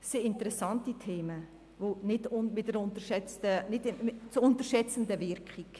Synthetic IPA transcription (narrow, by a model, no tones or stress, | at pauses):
seɪntəɾɛsɑntitʰeːmə | vonɪtʊnmɪtdəɾʊntəɾʃɛt͡stənɪtmɪt͡sʊntəɾʃɛt͡sən̩dəvɪɾkχik